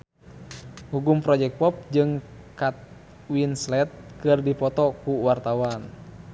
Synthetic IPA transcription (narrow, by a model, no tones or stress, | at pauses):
huɡumpɾɔd͡ʒɛk̚t̪̚pɔp̚d͡ʒɨŋ | kat̪̚ | winslɛt̪̚kɨrdipɔt̪ɔkuwart̪awan